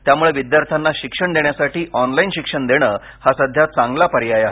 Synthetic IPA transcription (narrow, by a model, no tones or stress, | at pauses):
t̪jamuɭeʋid̪jaɾt̪ʰanːaɕikʂəɳd̪eɳjasaʈiːʔɔnlainɕikʂəɳd̪eɽ̃əː | hasəd̪ʱjat͡saŋɡlapəɾjajaɦe